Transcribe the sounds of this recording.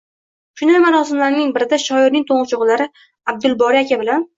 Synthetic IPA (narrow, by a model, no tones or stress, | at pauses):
ʃʊnamaɾɒsɪmlaɾnɪŋbɪɾɪd̪aʃɒɪɾnɪŋt̪ʰoɴʁɨt͡ʃʰʊʁlaɾɪ | ab̚d̪ʊlbɒɾiakʲʰabɪlan